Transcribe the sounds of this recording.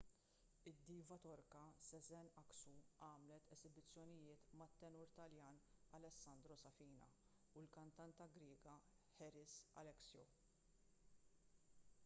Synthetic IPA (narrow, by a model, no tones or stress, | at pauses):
ɪd̪ːiːvɐt̪ɔɾkɐsɛzɛnɐksuɐːmlɛt̪ɛzɪbɪt͡sːjɔnɪjɪːt̪mɐt̪ːɛnʊɾt̪ɐljɐːnɐlɛsːɐnd̪ɾɔsɐfiːnɐ̰ | ulkɐnt̪ɐnt̪ɐɡɾɪːɡɐ | ħɛɾɪsɐ̰lɛksjɔ̰